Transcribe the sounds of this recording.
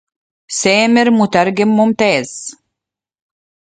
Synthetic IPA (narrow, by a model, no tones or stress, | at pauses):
seːmɪɾmut̪æɾɡɪmːumt̪eːz̥